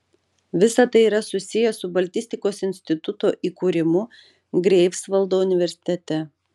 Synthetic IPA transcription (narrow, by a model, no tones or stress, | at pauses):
ʋʲɪsɐt̪ɐɪiɾɐsʊsʲɪjɛsʊbɐlʲt̪ʲɪst̪ʲɪkoːsɪnʲsʲt̪ʲɪt̪ʊt̪oːʔiːkuːɾʲɪmʊ | ɡɾʲɛɪpsʋɐlˠd̪oːʊnʲɪʋʲɛɾʲsʲɪ̥t̪ʲɛt̪ʲɛ